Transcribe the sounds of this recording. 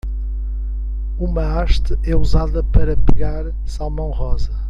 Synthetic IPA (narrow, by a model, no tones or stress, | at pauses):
umɐaʃt̪ɨɛuzaðɐpɐɾɐpɨɣaɾ | salˠmɐ̃w̃ʁɔzɐ